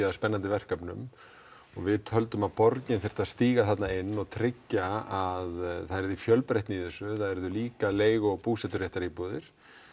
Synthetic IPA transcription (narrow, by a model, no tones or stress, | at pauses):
aðspɛnːant̪ɪvɛr̥kapnʏ̰m | ɔɣvɪðt̪ʰœlt̪ʏmaðpɔɾcɲɪnθɪɾ̥t̪aðst̪iːɣaθat̪naɪnːɔɣt̪ʰɾɪcːaaðθaɛɾðifjœlpɾejht̪niðɪsʏθaðɛɾðʏliːkaleːjɣɔɣpuːsɛt̪ʏɾjɛht̪aɾipɔːðɪɾ̥